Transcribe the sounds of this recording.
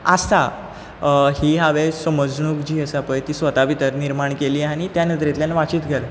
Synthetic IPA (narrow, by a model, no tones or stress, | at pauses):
ast̪a | hiːɦaʋesəməd͡znuːkd͡ʑiːəsapəjt̪iːsʋət̪apit̪əɾniɾmaɳkeliːaɽ̃it̪janə̃t̪ɾet̪ljanaʋat͡ɕiːt̪ɡʱəɾ